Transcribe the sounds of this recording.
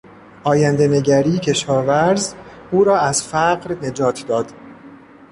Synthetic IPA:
ʔɒːjænd̪e̞ne̞ɟæɾiːcʰe̞ʃɒːvæɾz | uːɾɒːæzfæɢɾne̞d͡ʒɒːt̪ʰd̪ɒːd̪̥

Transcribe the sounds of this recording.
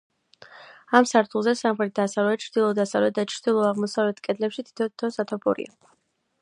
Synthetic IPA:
amsaɾt̪ʰulˠzɛsamχɾɛt̪̚d̪asavlɛt͡ʃʰɾd̪̥ilˠɔd̪asavlɛt̪̚d̪at͡ʃʰɾd̪̥ilˠɔaʁmɔsavlɛt̪ʰkʼɛd̪lɛpʃit̪ʰi̥t̪ʰɔt̪ʰɔsat̪ʰɔpʰɔ̰ɾḭa̰

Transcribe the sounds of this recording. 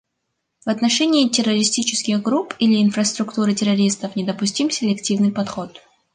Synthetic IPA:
vɐt̪nɐʂɛnʲɪːtʲɪrəɾʲɪsʲtʲit͡ɕɪ̥skʲɪɣɡɾupilʲɪːnfrəst̪ɾʊkt̪uɾɨtʲɪɾɐɾʲist̪əfnʲɪd̪əpʊsʲtʲimsʲɪlʲɪktʲivnɨjpɐt̪xo̞t̪

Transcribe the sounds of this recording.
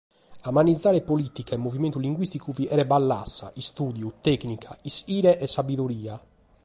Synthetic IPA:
amanid̪zːaːɾɛpolit̪ikaɛmːoviment̪uliŋɡwist̪ikuviʔɛɾɛbalːa̰sːa̰ʔist̪uːd̪jut̪ɛknikʰaisiːɾɛʔɛsːabiðoɾiːa

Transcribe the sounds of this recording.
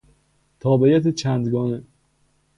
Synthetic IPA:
t̪ʰɒːbejæt̪ʰet͡ʃʰænd̪ɡɒːne

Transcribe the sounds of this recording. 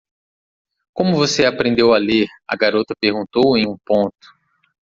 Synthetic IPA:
kõmʊvoseapɾẽnd̪ewaleɾɐ̰ɡaɾot̪ɐpeɾɡũnt̪owẽj̃ũpõt̪ʊ̥

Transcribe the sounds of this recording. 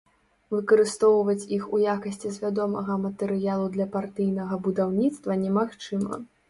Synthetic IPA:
vɨkɐɾɨst̪ɔwvɐt͡sʲixujakɐsʲt͡sʲizʲvʲad̪ɔmɐɣɐmɐt̪ɛɾɨjalˠud̪lʲɐpart̪ɨjnɐɣɐbud̪awnʲit̪st̪vɐnʲɛmaxt͡ʂɨmɐ̰

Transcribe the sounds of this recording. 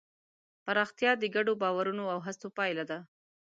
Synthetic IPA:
paɾɑxt̪jɑd̪əɡaɖobɑwaɾunoawɦat͡sopɑjlad̪a

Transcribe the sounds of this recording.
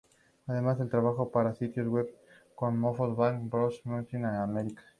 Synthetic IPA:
aðe̞mazðelt̪ɾaβaxo̞paɾasit̪jozɣweβ | konmofoðβaŋbɾoʃmunt̪inaameɾikḁ

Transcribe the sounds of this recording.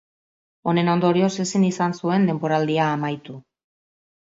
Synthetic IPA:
o̞ne̞no̞nd̪o̞ɾio̞se̞sinisansue̞nd̪e̞mpo̞ɾald̪iaːmajt̪u

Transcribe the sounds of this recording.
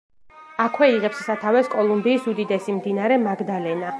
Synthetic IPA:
akʰwɛiʁɛpssat̪ʰavɛskʼɔlˠumbiːsud̪id̪ɛsimd̪inaɾɛmaɡd̪alɛna

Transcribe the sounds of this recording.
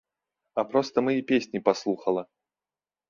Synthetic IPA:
apɾɔst̪əmɨipʲesʲnʲipaslˠuxɐlˠɐ

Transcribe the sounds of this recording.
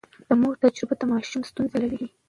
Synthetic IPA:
d̪̥əmuɾt̪ad͡ʒɾɪbat̪əmɑʃumst̪unzelaɾewi

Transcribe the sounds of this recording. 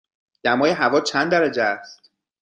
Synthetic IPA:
d̪̥æmɒːjeɦævɒːt͡ʃʰænd̪æɾæd͡ʒeæst̪̚

